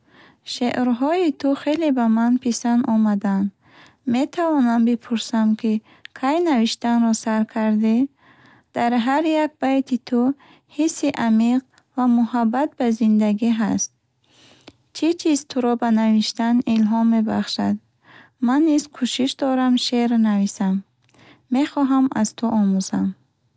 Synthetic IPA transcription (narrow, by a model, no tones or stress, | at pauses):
ʃeʔɾɦɔit̪ʰuχelibamanpʰisanɔmad̪and̪ | met̪ʰavɔnambipʰuɾsamkʰi | kʰajnaviʃt̪anɾɔsaɾkʰaɾd̪i | d̪̥aɾɦaɾjak̚bajt̪ʰit̪ʰu | hisːiʔamiq | vamuhabːat̪̚bazind̪aɡiɦast̪̚ | t͡ʃʰit͡ʃʰizt̪ʰuɾɔbanaviʃt̪anilɦɔmːe̞ba̰χʃad̪ | manːizkʰuʃiʃd̪ɔɾamʃeɾnavisamː | e̞χɔɦama̰zt̪ʰuʔɔmuzam